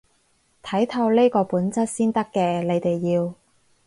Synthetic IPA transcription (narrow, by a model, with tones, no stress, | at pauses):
t̪ʰɐ˨˥jt̪ʰɐ˧wleː˥kɔː˧puː˨˥nt͡sɐ˥t̚siː˥nt̪ɐ˥kːɛː˧le˨˧jt̪e˨jːiː˧w